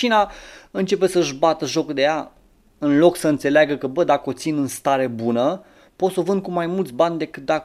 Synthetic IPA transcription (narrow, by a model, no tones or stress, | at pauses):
inaɨnt͡ʃe̞pe̞səʒbat̪əʒo̞kd̪e̞ja | ɨnlo̞ksəɨnt̪se̞leaɡəkəbəd̪akəo̞t̪sinɨnst̪aɾe̞bunə | po̞t̪sovɨnd̪̚kumajmult̪sʲbanʲd̪e̞kɨt̪̚d̪ak